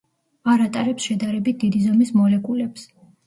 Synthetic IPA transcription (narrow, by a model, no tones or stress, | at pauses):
aɾat̪ʼaɾɛpsʃɛd̪aɾɛbit̪̚ʰd̪̥id̪izɔmismɔlɛkʼulɛps